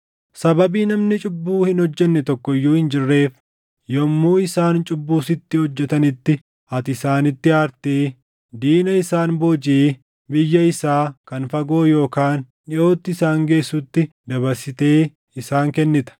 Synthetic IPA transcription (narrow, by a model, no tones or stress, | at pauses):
sɐbɐbiːnɐmnɪt͡ʃʼʊbːuːhɪnhɔd͡ʒːɛnːɛt̪ɔkːɔɪjːuːhɪnd͡ʒɪrːe̞ːf | jɔmːuːɪsaːnt͡ʃʼʊbːuːsɪt̪ːɪhɔd͡ʒːɛt̪ɐnɪt̪ːɪ | ɐt̪ɪsaːnɪt̪ːɪaːɾt̪eː | d̪iːnɐɪsaːnboːd͡ʒeː | bɪjːɐɪsaːkɐnfɐɡo̞ːjo̞ːkaːn | jɪo̞ːt̪ːɪɪsaːŋɡe̞ːsːut̪ːɪ | d̪ɐβɐɾsɪt̪e̞ː | ɪsaːŋkɛnːɪt̪ɐ̥